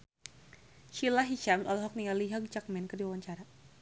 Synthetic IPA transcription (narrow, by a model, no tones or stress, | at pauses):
ʃilaɦiʃamsɔlɦɔk̚niŋaliɦaɡ̚t͡ʃak̚mɛnkərdiwawaɲt͡ʃaɾa